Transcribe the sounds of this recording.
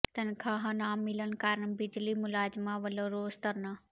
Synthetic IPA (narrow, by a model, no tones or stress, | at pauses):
t̪ənkʰaːɦɐ̃naːmːɪlənkaːɾənbid͡ʒlimʊlaːd͡ʒmaʋəloɾoːst̪əɾna